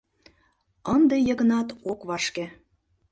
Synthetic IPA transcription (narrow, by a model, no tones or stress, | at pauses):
ənd̪ejɤ̆ɣə̆nɑt̪okβɑʃkĕ